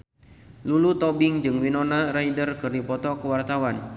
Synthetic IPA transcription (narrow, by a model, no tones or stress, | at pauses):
lulut̪ɔbɪŋd͡ʒɨŋwinɔnaɾaidərkɨrdipɔt̪ɔkəwart̪awan